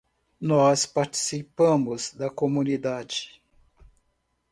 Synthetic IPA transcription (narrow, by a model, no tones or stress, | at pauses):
nɔspaɾt͡ʃi̥sipɐ̃mʊzd̪ɐkomũnid̪ad͡ʒɪ̥